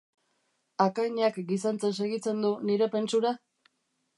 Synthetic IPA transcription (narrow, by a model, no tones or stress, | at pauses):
akaɲakɡisant͡se̞ns̬e̞ɣ̞it͡se̞nd̪uniɾe̞pe̞nt͡suɾa